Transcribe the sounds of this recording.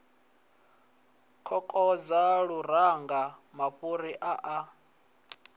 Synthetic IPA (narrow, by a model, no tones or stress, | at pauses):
kʰɔkʼɔd͡zaɺuɾaŋɡamaɸuɾiʔaʔa